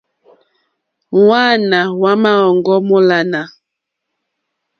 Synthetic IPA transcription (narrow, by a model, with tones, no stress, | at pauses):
wa˦˨na˨wa˦ma˦ɔ˨ŋɡɔ˦mɔ˦la˨na˨